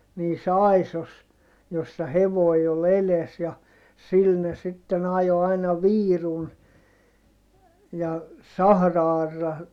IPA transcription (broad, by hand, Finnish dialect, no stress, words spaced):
niːs ɑˑisos josːɑ heʋoi ol eles jɑ sil ne sitːen ɑjo ɑinɑ ʋiːrun jɑ sɑhrɑɑrːɑ